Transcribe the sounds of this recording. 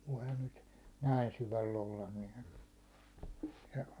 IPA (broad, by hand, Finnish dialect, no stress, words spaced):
ʋoihɑn nyt næin syʋælː olːɑn ni̥ː jɑ